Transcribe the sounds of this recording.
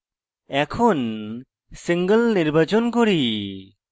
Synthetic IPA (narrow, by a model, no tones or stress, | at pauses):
ɛkʰɔn | siŋɡəlniɾbat͡ʃɔnkɔɾi